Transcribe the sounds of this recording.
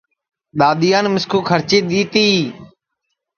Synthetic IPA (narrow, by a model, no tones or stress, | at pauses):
ɗ̪aːɗ̪ijaːnmɪskʰuːkʰəɾt͡ʃiːɗ̪iːt̪iː